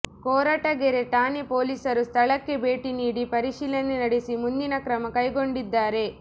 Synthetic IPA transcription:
kɔːɾaːʈɐɡeɾe̞ʈ̪aːnepoːliːsɐɾust̪ʰɐɭɐkːe̞be̞ːʈiniːɽipɐɾiʃiːlɐnenɐɽesimund̪inɐkɾɐmɐkɐjɡo̞ɳɖid̪ːaːɾe̞

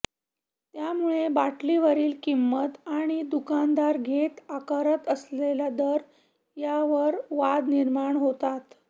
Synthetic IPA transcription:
t̪jamuɭebaʈliʋəɾiːlkimːət̪aɽ̃id̪ukand̪aɾɡʱet̪akəɾət̪əslelad̪əɾ | jaʋəɾʋad̪niɾmaɳɦot̪at̪

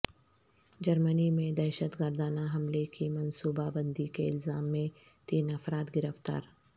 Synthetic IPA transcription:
d͡ʒɐɾmənimẽd̪ɛːʃət̪ɡəɾd̪aːnaɦɐmlekimɐnsuːbabɐ̃nd̪ikeɪlzaːmːẽ | t̪iːnɐfɾaːt̪ɡɪɾəft̪a̰ːɾ

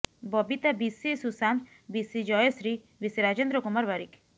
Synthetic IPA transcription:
bɔbit̪abisisusan | bisid͡ʒɔesɾi | bisiɾad͡ʒend̪ɾɔkumaɾbaɾḭk

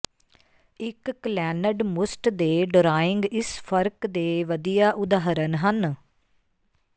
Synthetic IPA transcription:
ɪklɛːnəɖmʊsʈd̪eːɖəɾaːɪŋɡɪspʰəɾkd̪eːʋəd̪ijaːʔʊd̪aːɦəɾənɦən

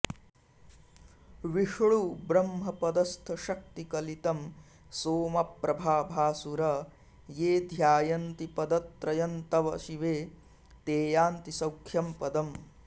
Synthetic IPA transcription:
ʋiʂɭubɾɐmɦɐpɐd̪ɐst̪ʰɐʃɐk̚t̪ikɐlit̪ɐm | soːmɐpɾɐbʱaːbʱaːsuɾɐ | jeːd̪ʱjaːjɐnt̪ipɐd̪ɐt̪ːɾɐjɐnt̪ɐʋɐʃiʋeː | t̪eːjaːnt̪isɐwkʰjɐmpɐd̪ɐm

